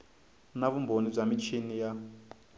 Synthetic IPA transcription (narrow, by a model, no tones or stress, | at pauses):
naβumbonib͡ʐamit͡ʃʰinija